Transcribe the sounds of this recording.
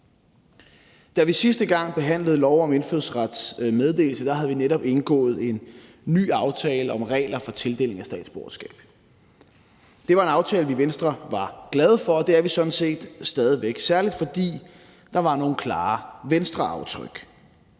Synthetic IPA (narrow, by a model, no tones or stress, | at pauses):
d̥æʋisisd̥əɡ̥ɑ̈ŋ̰b̥e̝ɦæn̰ləð̞̩ˠlɒʊɒ̽menføðˠsʁad̥smeð̞ˠd̥e̝̰ːl̩səd̥ɑ̈ɦæð̞̩ˠʋineɾɒ̽b̥e̝nɡ̥ɔ̰̽ːð̞̩ˠe̝nː | y̰ːɑ̈ʊt͡sʰɛːləɒ̽mʁɛ̰ːɪlɐfɒ̽t͡sʰe̝ld̥e̝ːle̝ŋæsd̥ɛ̰ːd̥sb̥oɐɐsɡ̥ɛ̰ːb̥ | d̥e̝ʋɑ̈e̝nɑ̈ʊt͡sʰɛːləʋiʋensd̥ʁɐʋɑ̈ɡ̥lɛð̞ˠfɒ̽ɒ̽d̥e̝æɐʋisɒ̽d̥n̩se̝̰ːd̥sd̥ɛːð̞ˠiʋeɡ̥sæɐlid̥fɒ̽d̥ḭː | d̥ɑ̈ʋɑ̈no̝ːn̩kʰlɑ̰̈ːʋensd̥ʁɐɑ̈ʊt͡sʰʁœɡ̥